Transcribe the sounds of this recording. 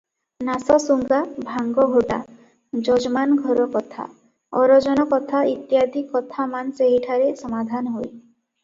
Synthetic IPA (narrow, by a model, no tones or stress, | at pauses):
nasɔsuŋɡabʱaŋɡɔɦoʈa̰ | d͡ʒɔd͡ʒɔmanɡʱɔɾɔkɔt̪ʰa̰ | ɔɾɔd͡ʒɔnɔkɔt̪ʰait̪jad̪ʱikːɔt̪ʰamanseɦiʈʰaɾesɔmad̪ʱanɔɦoj